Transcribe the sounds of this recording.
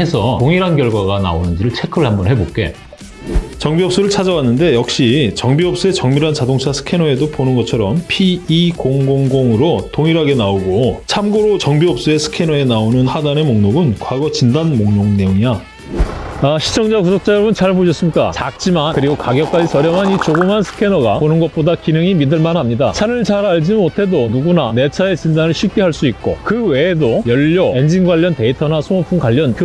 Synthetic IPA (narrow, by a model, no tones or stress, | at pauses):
e̞sʰʌtoŋiɾɦanɡjʌɭɡwaɡana̰onɯnd͡ʑiɾɯɭt͡ɕʰe̞kʰɯɯɭhambʌnhe̞bok͈e̞̰ | t͡ɕʌŋbiɦʌp̚s͈uɾɯɭt͡ɕʰad͡ʑawanːɯnde̞jʌk̚ɕ͈it͡ɕʌŋbiɦʌp̚s͈ue̞t͡ɕʌŋmiɾant͡ɕadoŋt͡ɕʰasʰɯ̥kʰe̞nʌe̞doponɯnɡʌt͡ɕʰʌɾʌmpʰiːkoŋɡoŋɡoŋɯɾotoŋiɾɦaɡe̞naoɡot͡ɕʰamɡoɾot͡ɕʌŋbiɦʌp̚s͈ue̞sʰɯ̥kʰe̞nʌe̞naonɯnhadane̞moŋnoɡɯnkwaɡʌt͡ɕindanmoŋnoŋne̞joŋia | aɕʰi̥t͡ɕʰʌŋd͡ʑakusʰok̚t͡ɕ͈ajoɾʌbɯnt͡ɕaɭpoɕʰʌs͈ɯmɲik͈a̰t͡ɕak̚t͡ɕ͈imankɯɾiɡokaɡjʌk͈̚ad͡ʑisʰʌɾjʌmɦanit͡ɕoɡɯmɦansʰɯ̥kʰe̞nʌɡaonɯnɡʌt̚p͈odakinɯŋimidɯɭmanhamɲidat͡ɕʰaɾɯɭt͡ɕaɾaɭd͡ʑimotʰe̞donuɡunane̞t͡ɕʰae̞t͡ɕindanɯɭɕʰɥip̚k͈e̞ɦaɭs͈uit̚k͈o̰kɯwe̞ːdojʌʎːʌe̞nd͡ʑiŋɡwaʎːʌnte̞itʰʌnasʰoŋʌpʰuŋkwaʎːʌnkɯ